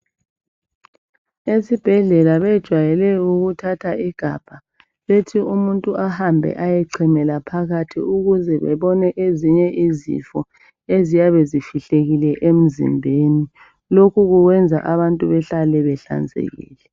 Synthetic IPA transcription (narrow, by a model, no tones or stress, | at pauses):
esib̥ʱɛɮɛlaβɛd̥ʒ̥ʱwajɛlɛuɣutʰatʰaʔiɡ̥ʱab̥ʱa | βetʰiumuntʼuʔahambʱɛ̰ʔajɛǀʰimɛlapʰaɣatʰḭuɣuzɛβɛ̰βɔnɛʔeziɲɛizḭfɔ | ezijaβezifiɬeɣilɛʔem̩zḭmbʱeni | lokʰuɣuɣwɛnd͡zʱa̰ʔaβantʼuβɛɬalɛβɛɬa̰nd͡zʱḛɣḭːlɛ